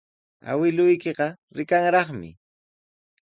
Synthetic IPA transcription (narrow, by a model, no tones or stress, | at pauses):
a̰wɪlʊjkeqɑ | ɾɪkaŋɾɑχmɪ̰